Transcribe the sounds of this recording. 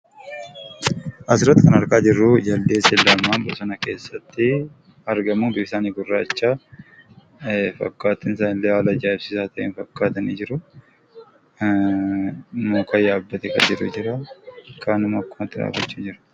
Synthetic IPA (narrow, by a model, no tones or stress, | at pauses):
ʔɐsɪɾɐt̪ːɪkɐnɐɾkaːd͡ʒɪrːʊd͡ʒɐld̪eːsɛlɐmːaːmbɐsɐnɐke̞ːsːɐt̪ːɪ | ɐɾɡɐmuːbɪɪsaːniːɡʊrːaːt͡ʃːaː | fɐ̰kːaːt̪ɪns̬aːnɪlːewaːlɐd͡ʒaːɪbsɪsaːt̪ʰɐʔeːnfɐkːaːt̪ɐniːd͡ʒɪɾʊ | muːkʰɐjaːbːɐt̪ɛkɐ̰d͡ʒɪɾʊ̰d͡ʒɪɾɐkaːnʊmɐkːʊmɐt̪ːɪd̪a̰ːfɐt͡ʃːuːd͡ʒɪɾɐ̥